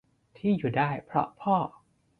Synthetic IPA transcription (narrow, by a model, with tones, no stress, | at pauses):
t̪ʰiː˥˩juː˨˩daː˥˩jpʰɾɔ̰˦˥pʰɔː˥˩